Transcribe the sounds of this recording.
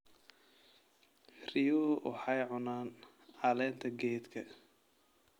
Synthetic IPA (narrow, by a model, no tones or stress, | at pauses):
rijuːwʔɑ̰ħɑjʕʊnaːn | ʕɑlɛːnt̪ʰɐɡɛːt̪kʰɐ